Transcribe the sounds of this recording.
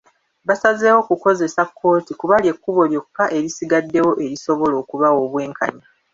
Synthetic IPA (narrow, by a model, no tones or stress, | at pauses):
βasazeːwo̞kuko̞ze̞sakʰːo̞ːtikuβalje̞kːuβo̞ljo̞kːaʔe̞ɾisiɡadːe̞wo̞ʔe̞ɾiso̞βo̞lo̞ːkuβawo̞βwe̞ːŋka̰ɲa